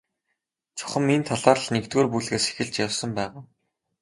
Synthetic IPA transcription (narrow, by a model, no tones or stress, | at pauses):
t͡sʰʊ̥χə̆mːint̪ʰaɮaːr̆ɮnekt̪ɣoːrpuɮɣeːse̥xɘ̆ɮt͡ɕjawsə̆mpæːʁaː